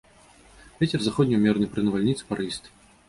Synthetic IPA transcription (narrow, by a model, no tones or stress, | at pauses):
vʲɛt͡sʲɛrzaxɔd̪ʲnʲijumʲɛrnɨjpɾɨnɐvalʲnʲit̪sɨ̥paɾɨst̪